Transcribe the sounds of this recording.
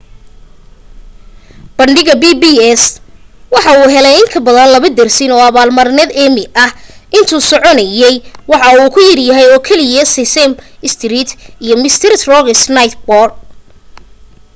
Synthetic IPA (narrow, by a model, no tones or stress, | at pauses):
b̥ɐɳɖɪɣɐbiːbiɛswɑħɑuːɦɛlɛjɪŋkʰɐbɐðɐnlɐβɐd̪ɛrsɪnɔːɐβaːlmɐrnɛðɛmɪɐhʔɪnt̪ʰuːsɔʕɔnɐjɛjwɑħɑuːkʰʊjɪrjɐɦɛjɔːkʰɛlɪjɐsɪsɛmɪst̪ʰrit̪ijɞmɪst̪ʰɪɾɪt̪rɔɣɪsnɐjt̪bɔrd̚